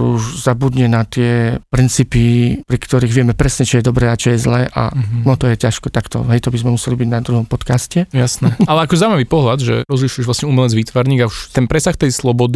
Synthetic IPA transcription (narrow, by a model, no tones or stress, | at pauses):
uʒzabud̪ɲɛnat̪ɪɛpɾint͡siːpipɾikt̪ɔɾiɣʋɪɛmɛpɾɛsɲɛt͡ʃijɛd̪ɔbɾɛːat͡ʃɔjɛzlɛːʔa̰nɔt̪ɔjɛcaʃkɛt̪akt̪ɔ̰ɦɛjt̪ɔbizmɛmusɛlibiɟnad̪ɾuɦɔmpɔt̪kascɛjasnɛʔalɛakɔzaːwimaʋiːpɔɦlad̪ʒɛ̰ɾɔzliʃujɛʒʋlasɲɛumɛlɛd͡zʋiːt̪ʋaɾɲiːɡauʃt̪ɛnpɾɛsaxt̪ɛjslɔbɔd̪i